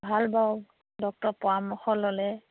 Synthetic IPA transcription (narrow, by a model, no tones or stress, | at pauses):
bʱalbaw | dɔk̚tɔpɔamɔxɔlːɔlɛ